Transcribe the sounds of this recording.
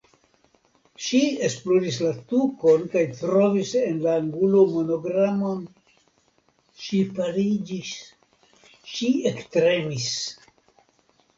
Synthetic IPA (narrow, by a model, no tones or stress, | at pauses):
ʃiesploɾislatuko̞nkajtɾo̞vise̞nlaːŋɡulo̞mo̞no̞ɡɾamo̞n | ʃipaɾid͡ʒis | ʃiektɾe̞mis